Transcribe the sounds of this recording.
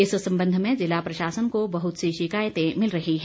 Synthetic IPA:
ɪssɐ̃mbə̃nd̪ʱmẽzɪlapɾɐʃaːsənkobɐɦʊt̪siʃɪkaːjət̪ẽmɪlɾɐɦiɦɛː

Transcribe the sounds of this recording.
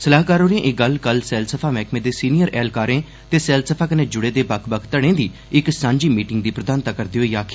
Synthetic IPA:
səlaːɦkaːɾoːɾiẽːʔɪɡəlkəlsɛːlsəpʰaːmɛːkʰmẽːd̪eːsiːnijəɾʔɛːlkaːɾẽː | t̪eːsɛːlsəpʰaːkəneːd͡ʒʊɽeːd̪eːbəkʰbəkʰt̪əɽ̃ẽːd̪iː | ɪksãːɲd͡ʒiːmiːʈɪ̃ŋɡ̚d̪iːpɾəd̪aːnt̪aːkəɾd̪iːɦoiːaːkʰː

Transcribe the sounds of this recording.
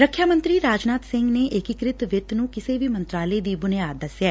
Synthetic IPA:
ɾəkʰːjaːmə̃nt̪ɾiːɾaːd͡ʒnaːt̪sɪ̃ŋɡneːʔɪkɪkɾɪt̪ʋɪt̪nũːkɪseːʋiːmə̃nt̪ɾaːleːd̪iːbʊnjaːt̪̚d̪əsjɛː

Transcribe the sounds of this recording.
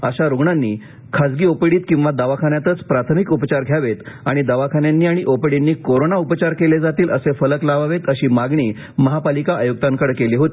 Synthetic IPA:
əɕaɾuɡɳanːiː | kʰad͡zɡiːopɽiːt̪kĩw̃ʋad̪aʋakʰanjat̪ət͡spɾat̪ʰəmikupt͡ɕaɾɡʱjaʋet̪aɽ̃id̪aʋakʰanjanːiːaɽ̃iʔopɽenːiːkoɾonaupt͡ɕaɾkeled͡zat̪iːləsefələklaʋaʋet̪əɕiːmaɡɳiː | məɦapalikaajuk̚t̪aŋkəɽkeliːɦot̪i̥ː

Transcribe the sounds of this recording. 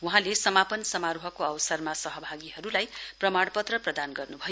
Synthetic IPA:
wuɦãlesʌmapʌnsʌmaɾuɦʌkoʌwsʌrmasʌɦʌbʱaɡiɦʌɾulajprʌmaɽpʌt̪rʌprʌd̪anɡʌrnubʱʌjo

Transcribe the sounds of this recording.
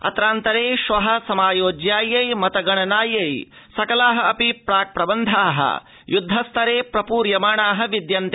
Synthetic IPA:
ɐ̰t̪ɾaːnt̪ɐɾeːʃʋɐɦɐ̆sɐmaːjoːd͡ʒjaːjɐjmɐt̪ɐɡɐɳɐnaːjɐj | sɐkɐlaːɦɐɐpipɾaːk̚pɾɐbɐnd̪ʱaːɦɐ̰ | jud̪ʱːɐst̪ʰɐɾeːpɾɐpuːɾjɐmaːɳaːɦɐʋid̪jɐnt̪e

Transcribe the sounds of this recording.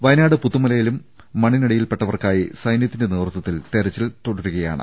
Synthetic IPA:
ʋɐjnaːɽɨput̪ːumɐlɐjilumː | ɐɳiniɽɐjilpe̞ʈːɐʋɐrkaːjisɐjnjɐt̪ːinde̞neːrt̪ːɐt̪ːilt̪e̞ɾɐt͡ɕːilt̪oɽɐɾuɣɐja̰ːɳɨ̰

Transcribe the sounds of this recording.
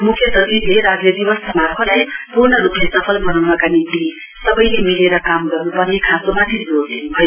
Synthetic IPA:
mukʰjʌt̪ʌd̪ileɾaɡed̪ibʌsʰʌmarpʰʌlajpurnʌɾuplesʌpʰʌlɡʌnawnʌkanit̪i | sʌbʌjlemileɾʌkamɡʌrnupʌrnekʰasomat̪ʰiod̪enbʱʌjo

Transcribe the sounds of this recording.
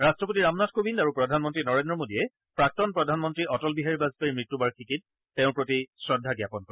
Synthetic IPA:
ɹastɹɔp̬otiɹamnatkobindaɹupɹɔdʱanmɔntɹinɔɹendɹɔmodijɛ | pɹak̚tɔnpɹɔdʱanmɔntɹiʔɔtɔlbiɦaɹibazpeɹmɹitːubaɹkʰikit̚ː | ɛʊ̃pɹotisɹɔdʱːaɡjapɔnkɔɹɛ

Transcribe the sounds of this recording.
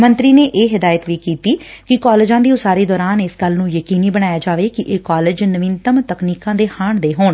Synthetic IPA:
mə̃nt̪ɾiːneːʔeːɦɪd̪aːjət̪ʋiːkiːt̪iːkɪkaːlɪd͡ʒãːd̪iːʊsaːɾiːd̪ɔːɾaːnɪsɡəlnũːjəkiːniːbəɽ̃aːjaːd͡ʒaːʋeːkɪʔeːkaːlɪd͡ʒnəʋɪnt̪əmt̪əkniːkãːd̪eːhaːɳd̪eːɦoːɳ

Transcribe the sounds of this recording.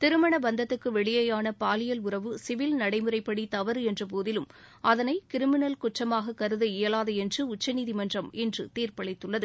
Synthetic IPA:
t̪ɪɾɯmɐɳɐbɐnd̪ɐt̪ːɯkːɯʋɛɭɪjɐjaːnɐpaːlɪjɐlʊrɐʋɯsɪʋɪlnɐɽɐɪmɯrɐɪpːɐɽit̪ɐʋɐɾɛndrɯp̬oːðɪlɯmʔɐðɐnɐɪkɪɾɪmɪnɐlkʊʈrɐmaːɣɐkːɐɾɯðɯɪjɐlaːðɐɛndrɯʊt͡ʃːɐniːðimɐndrɐmɛndrɯt̪iːrpɐɭɐɪt̪ːɯɭːɐðɯ

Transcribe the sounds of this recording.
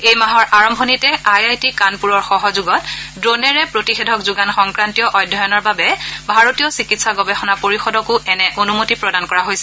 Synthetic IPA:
ejmaɦɔɹʔaɹɔmbʱɔnitɛajajtikanpuɹɔɹxɔɦɔzuɡɔtdɹonɛɹɛpɹotixedʱɔkzuɡanxɔŋkɹantijɔʔɔjdʱːɔjɔnɔɹbabɛbʱaɹotijɔsikitsaɡɔbɛxɔnapoɹixɔdɔkʊʔɛnɛʔonumotipɹɔdankɔɹaɦojsɛ

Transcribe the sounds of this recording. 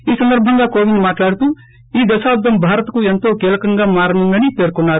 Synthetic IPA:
iːsənd̪əɾbʱə̃ŋɡakoːʋinmaːʈlaːɽt̪uː | id̪ɐsaːbd̪ɐmbʱaːɾət̪kuːjɐnt̪okeːlkɐŋɡamaːɾnə̃ŋɡanipeːɾkonaː

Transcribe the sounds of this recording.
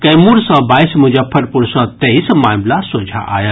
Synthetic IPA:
kɐjmuɾsə̃bajsmud͡ʒapʰɐɽpuɾsə̃t̪eismamlasod͡ʒʱa̰ʔa̰jə

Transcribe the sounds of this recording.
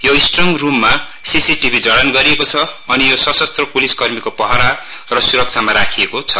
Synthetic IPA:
joisʈrʌŋrumːa | sisiʈibʱid͡zʌɽʌnɡʌɾiekot͡sʰʌːnijosʌsʌst̪rʌpuliskʌrmikopʌɦaɾa | rʌsuɾʌk̚t͡sʰamaɾakʰijekot͡sʰʌ

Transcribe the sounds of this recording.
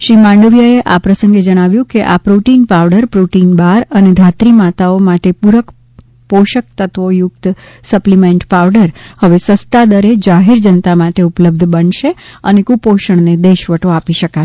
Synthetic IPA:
ʃɾimãɳɖəʋjaeʔapɾəsə̃ŋɡed͡ʒəɽ̃aʋjũkeʔapɾuʈinpaʋɖəɾpɾuʈinbaɾəned̪ʱat̪ɾimat̪aomaʈepuɾək | poʃək̚t̪ət̪ʋojʊkt̪ | səplimeɳʈpaʋɖəɾhəʋesəst̪ad̪əɾed͡ʒaɦeɾd͡ʒənt̪amaʈeupləb̚d̪ʱbənʃeə̰nekupoʃəɳ̃ned̪eʃʋəʈoapiʃəka

